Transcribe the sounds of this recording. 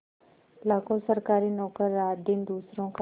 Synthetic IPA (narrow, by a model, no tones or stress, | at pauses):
lakosəɾkaːɾiːnɔːkəɾːaːd̪iːnd̪uːsɾõk